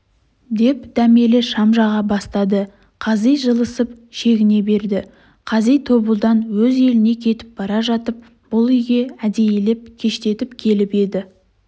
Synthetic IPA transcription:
d̪e̞pd̪̥æme̞lɪʃɑmʒɑʁɑbɑst̪ɑd̪ə | qʰɑzijʒəlˠəsəpʃe̞ɡʲɪne̞be̞ɾd̪ɪ | qʰɑzijt̪ʰo̞bəlˠd̪ɑnwɵze̞lɪne̞kʲʰe̞t̪ɪ̥p̚bɑɾɑʒɑt̪əp̚ | b̥ʊlˠʏjɡʲe̞æd̪ejelep̚kʲʰe̞ʃt̪e̞t̪ɪpkʲʰe̞lɪpe̞d̪ɪ

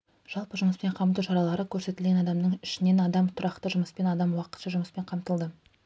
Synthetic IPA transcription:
ʒ̥ɑlˠpəʒʊməspe̞ɴqʰɑmt̪uwʃɑɾɑlˠɑɾəkʲʰɵɾse̞t̪ɪlɡʲenɑd̪ɑmnəɴɪʃɪne̞nɑd̪ɑmt̪ʰʊɾɑqt̪əʒʊməspe̞nɑd̪ɑmwɑqə̥t̪ʃɑʒʊməspe̞ɴqʰɑmt̪əlˠd̪ə

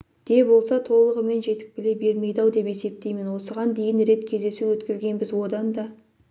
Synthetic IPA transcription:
d̪̥e̞bo̞lˠsɑt̪ʰo̞lˠəʁəme̞nʒe̞t̪ɪ̥k̚bɪle̞be̞lme̞jd̪ɑwd̪e̞pe̞se̞p̚t̪e̞jme̞nwo̞səʁɑnd̪e̞jɪnɾe̞t̪kʲʰe̞zd̪e̞sɪwɵt̪kʲɪzɡʲe̞nbɪzwo̞d̪ɑnd̪ɑ

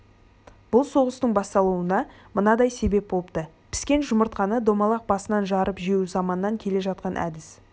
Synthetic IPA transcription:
b̥ʊlˠso̞ʁəst̪əɴbɑst̪ɑlˠuənɑ | mənɑd̪ɑjse̞be̞p̚bo̞lˠəp̚t̪ə | pʰɪ̥skʲe̞nʒʊməɾt̪qɑnəd̪o̞mɑlˠɑq̚bɑsənɑnʒɑɾʔəpʒeuzɑmɑnːɑŋkʲʰe̞le̞ʒɑt̪̚qɑnʔæ̰d̪ɪs

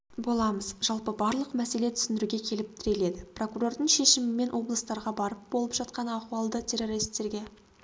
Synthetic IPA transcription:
bo̞lˠɑməzʒ̥ɑlˠpəbɑɾlˠəqmæse̞le̞t̪ʰʏ̥sɪnd̪ɪɾuɡʲe̞kʲʰe̞lɪp̚t̪ʰɪɾe̞le̞d̪ɪpro̞kuro̞rd̪əɴʃe̞ʃɪmɪme̞nʔwo̞blˠəst̪ɑɾʁɑbɑɾəp̚bo̞lˠəpʒ̥ɑt̪̚qɑnɑquwɑlˠd̪ət̪ʲʰe̞ɾo̞ɾist̪ːe̞ɾɡʲe̞

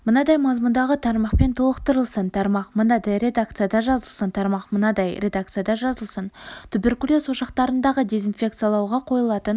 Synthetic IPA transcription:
mənɑd̪ɑjmɑzmund̪ɑʁət̪ʰɑɾmɑqpe̞nt̪ʰəlˠəqt̪əɾəlˠsənt̪ʰɑɾmɑqmənɑd̪ɑjɾʲe̞d̪ak̚t̪sijad̪ɑʒɑzəlˠsənt̪ʰɑɾmɑqmənɑd̪ɑjɾʲʔe̞d̪ak̚t̪sɨjad̪ɑʒɑzəlˠsənt̪ʰʏbe̞rkulʲosoʃɑqt̪ɑɾənd̪ɑʁəd̪e̞zinfʲe̞k̚t̪sɨijalˠɑwʁɑqʰo̞jəlˠɑt̪ən

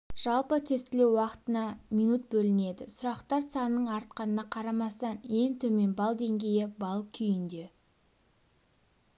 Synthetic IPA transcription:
ʒ̥ɑlˠpət̪ʰe̞st̪ɪlewːɑqə̥t̪ənɑmʲijnut̪̚bɵlɪne̞d̪ɪsʊɾɑqt̪ɑɾsɑnənːəɴɑɾt̪̚qɑnənɑqʰɑɾɑmɑst̪ɑne̞ŋt̪ʰɵme̞nbɑlˠd̪e̞ŋɡʲe̞jɪbɑlˠkʲʰʏjɪnd̪e̞

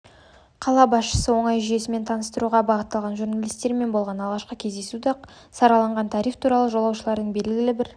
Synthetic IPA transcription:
qʰɑlˠɑbɑsʃə̥səwo̞ɴɑjʒʏje̞sɪme̞nt̪ʰɑnəst̪əɾuʁɑbɑʁət̪ːɑlˠʁɑnʒuɾnalʲijst̪e̞ɾme̞nbolˠʁɑnɑlˠʁɑʃqəkʲʰe̞zd̪e̞sud̪ɑ | sɑɾɑlˠɑɴʁɑnt̪ʰɑɾift̪ʰuɾɑlˠəʒo̞lˠɑwʃəlˠɑɾd̪əɴbe̞lɡʲɪɡʲɪlɪbɪɾ

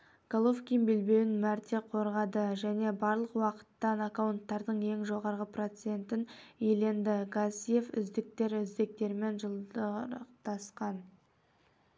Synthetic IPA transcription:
ɡ̥alˠofkʲijmbelbe̞wɪnmæɾt̪e̞qʰo̞ɾʁɑd̪əʒæne̞bɑɾlˠəqwɑqə̥t̪ːɑnakawnt̪ːɑɾd̪əɴe̞ŋʒo̞ʁɑɾʁəpro̞t̪se̞nt̪ɪnele̞nd̪ɪɡasije̞fʏ̰zd̪ɪk̚t̪e̞ɾʏzd̪ek̚t̪e̞ɾme̞nʒəlˠdəqt̪ɑsqɑn

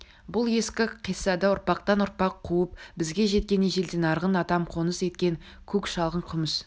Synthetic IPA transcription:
bʊlˠje̞skʲɪqʰijsɑd̪ɑʊɾpɑqt̪ɑnʊɾpɑqʰːuəp̚bɪzɡʲe̞ʒe̞t̪̚kʲe̞neʒe̞ld̪enɑɾʁənɑt̪ɑmqʰo̞nəse̞t̪kʲe̞ŋ | kʲʰɵkʲʃɑlˠʁəɴqʰʊməs

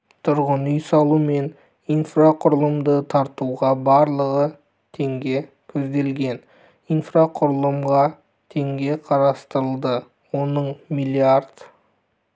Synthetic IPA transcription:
t̪ʰʊɾʁənʏjsɑlˠume̞n | ijnfraqʰʊɾəlˠəmd̪ət̪ʰɑɾt̪uʁɑbɑɾlˠəʁə | t̪ʰe̞ŋɡʲe̞ | kʲʰɵzd̪e̞lɡʲe̞n | ijnfraqʰʊɾəlˠəmʁɑ | t̪ʰe̞ŋɡʲe̞qʰɑɾɑst̪əɾəlˠd̪ə | wo̞nəɴmilʲˠiard̪

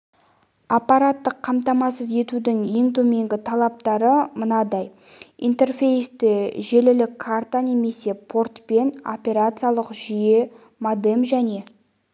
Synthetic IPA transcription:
apːɑɾat̪ːəqʰːɑmt̪ɑmɑsəze̞t̪ud̪ɪŋje̞ŋt̪ʰɵme̞ŋɡʲɪt̪ʰɑlˠɑp̚t̪ɑɾəmənɑd̪ɑj | ḭnt̪e̞rfʲe̞jst̪eʒe̞lɪlɪkʰːart̪ane̞me̞se̞pʰo̞rt̪pe̞no̞̰pʲe̞ɾat̪sɨjalˠəqʒije̞ | mad̪emʒæne̞

